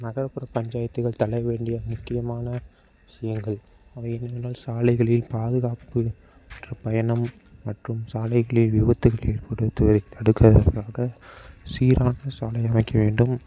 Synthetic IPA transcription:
nɐɣɐɾɐpɯɾɐpɐɲd͡ʒaːjɐt̪ːɯɣɐɭt̪ɐlɐɪʋeːɳɖɪjɐmʊkːɪjɐmaːnɐ | ɪsɐjɐŋɡɐɭ | ɐʋɐɪɛnːɐʋɪnaːlsaːlɐɪɣɐɭɪlpaːðɯɣaːpɯ | ndrɐpɐjɐnɐmː | ɐʈrɯmsaːlɐɪɣɐɭɪljʊʋɐt̪ːɯɣɐɭeːrpɐɽɯt̪ːɯʋɐðɐɪt̪ɐɽɯkːɐðɐ̰ɾkaːɣɐsiːɾaːnɐsaːlɐɪɐmɐɪkːɐʋeːɳɖɯm

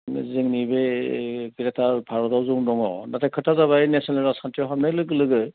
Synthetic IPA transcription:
ziŋnibekiɾɛtaɹpʰaɹɔdɔwzuŋdɔŋɔ̰natɛkʰɯtʰazaβainesɔnaɾasantiɔɦab̚najlɯɡɯlɯɡɯ

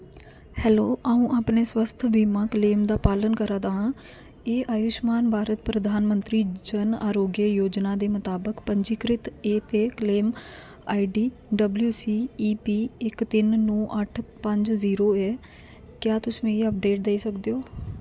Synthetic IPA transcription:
hɛːloːʔaːũːʔaːpneːswəst̪ʰbiːmãːkleːmd̪aːpaːlənkəɾaːd̪aːãː | eːʔaːjʊʃmaːnbʱaːɾət̪pɾəd̪ʱaːnmənt̪ɾiːd͡ʒəna̰ːɾoːɡjəjoːd͡ʒnaːd̪eːmət̪aːbəkpəɲd͡ʒiːkɾɪt̪eːt̪eːkleːm | aːiɖiː | ɖəbljuːsiːiːpiːɪkt̪ɪnːɔːʔəʈʰpəɲd͡ʒziːɾoːɛː | kjaːt̪ʊsʋẽːiəp̚ɖeːʈ̚d̪eːsəkd̪eːoː

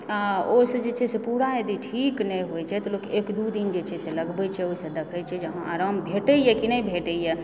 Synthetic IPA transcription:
aosəd͡ʒet͡ʃʰɛsepuɽaed̪iʈʰiknɛjɦojt͡ʃʰɛt̪ɔlokekd̪ud̪ind͡ʒet͡ʃʰɛseləɡbɛt͡ʃʰɛosəd̪ekʰət͡ʃʰɛd͡ʒəɦãaɾambʱeʈəjɛkinəjbʱeʈəjɛ

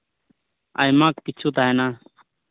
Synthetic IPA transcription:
a̰ːimãːkːɪt͡ʃʰuːt̪aːɦenaː

